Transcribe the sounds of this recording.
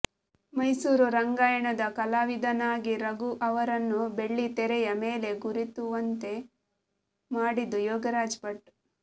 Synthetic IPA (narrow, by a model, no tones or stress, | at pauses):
mɐjsuːɾuɾɐŋɡaːjɐɳɐd̪ɐkɐlaːʋid̪ʱɐnaːɡiɾɐɡuʔɐʋɐɾɐnːube̞ɭːit̪ɛɾɛjɐmeːle̞ɡuɾit̪uʋɐnt̪e̞ | maːɽid̪ujɔːɡɐɾaːd͡ʒpɐʈːu̥